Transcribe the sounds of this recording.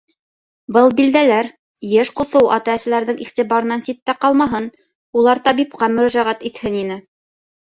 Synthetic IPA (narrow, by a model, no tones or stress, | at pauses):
bɤlˠbild̪ælæɾ | jɘʃqŏθɤwʔɑ̰t̪ææsɘ̆læɾðɘŋʔiχt̪iβɑɾɤ̆nɑnsit̪ːæqɑlˠmɑɦɤn | ulˠɑɾt̪ɑβip̚qɑmɵ̆ɾæʒæʁæt̪it̪hɘninɘ